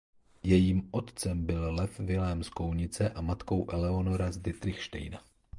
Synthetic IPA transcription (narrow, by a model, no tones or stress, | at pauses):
jɛjiːmʔo̞t̪t͡sɛmbɪllɛfvɪlɛːmsko̞wɲɪt͡sɛʔamat̪ko̞wʔɛlɛo̞no̞ɾazdɪt̪ɾɪxʃt̪ɛ̰jna